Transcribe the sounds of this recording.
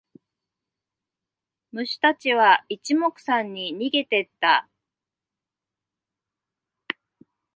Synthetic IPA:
mɯ̟ɕi̥t̪at͡ɕiβait͡ɕimo̞kɯ̟̥sãɲ̟ːiɲ̟iɡe̞t̪e̞t̪ːa

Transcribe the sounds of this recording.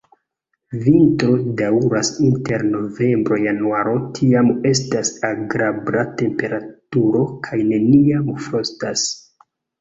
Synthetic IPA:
vintɾo̞dawɾasinte̞ɾno̞ve̞mbɾo̞januaɾo̞tʰiame̞s̬tasaɡɾabɾate̞mpe̞ɾatuɾo̞kʰajne̞niamfɾostas

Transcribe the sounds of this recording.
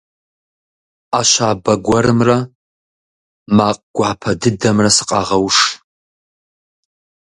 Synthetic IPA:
aʃaːbɐɡʷɐɾɨmrɐ | maːqʼɡ̥ʷɑːpʰɐdɨdɐmrɐsɨ̥qʼɑʁɐwʂ

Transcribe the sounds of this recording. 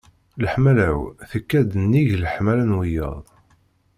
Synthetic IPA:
ləħmælæwθəkːæd̪ənːiʝləħmælænwijə̰ðˤ

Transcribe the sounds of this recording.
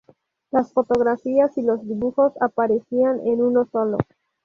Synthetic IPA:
lasfo̞t̪o̞ɣɾafiasilo̞zðiβuxo̞sapaɾesianenuno̞so̞lo̞̰

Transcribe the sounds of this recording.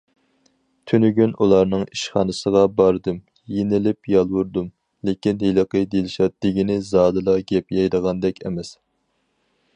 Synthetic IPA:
t̪ʰynyɡʲynʔulˠɑɾnɨŋiʃχɑnɨsəʁɑbɑɾd̪ɨm | jenɪlɪpjɑlˠwuɾd̪um | lekʲinhelˠəqəjd̪elɪʃɑd̪̥ɪɡʲinɪzɑːd̪ɨlˠɑɡʲɛpjɑjd̪əʁɑnd̪ɛkʲʰɛ̰mɛs

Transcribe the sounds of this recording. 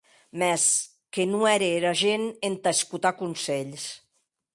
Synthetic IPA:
mɛs | kenuɛɾeɾaʒenent̪askut̪akunsɛʎs

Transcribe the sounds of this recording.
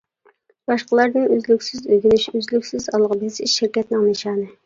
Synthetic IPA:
b̥ɑʃqəlˠɑɾd̪ɨnøzlykʲsɪzøɡʲinyʃøzlykʲsɪzɑlˠʁəbɪzɪʃɪɾkʲɛt̪nɪŋnɨʃɑːnɨ

